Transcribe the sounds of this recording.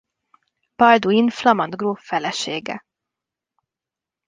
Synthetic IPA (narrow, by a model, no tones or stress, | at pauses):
pɒld̪uinflɒmɒnd̪ɡroːfɛlɛʃeːɡɛ̰